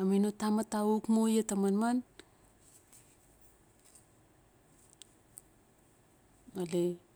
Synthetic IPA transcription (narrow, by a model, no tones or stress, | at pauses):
aminotamataukmojetamanman | male